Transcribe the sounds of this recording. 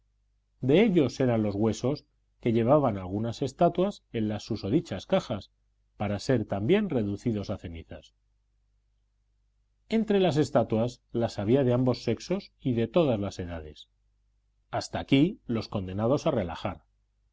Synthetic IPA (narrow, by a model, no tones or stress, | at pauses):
d̪e̞eʎo̞se̞ɾanlo̞zɣwe̞so̞s | ke̞ʎe̞β̞aβ̞analɣ̞unase̞st̪at̪wase̞nlasːuso̞ð̞it͡ʃaskaxas | paɾase̞ɾt̪ambje̞nre̞ðuθiðo̞saθe̞niθa̰s | e̞nt̪ɾe̞las̬e̞st̪at̪waslasaβ̞iaðe̞ambo̞sːe̞kso̞siðe̞t̪o̞ð̞azlase̞ðað̞e̞̰s | ast̪aːkilo̞sko̞nd̪e̞nað̞o̞sare̞laxaɾ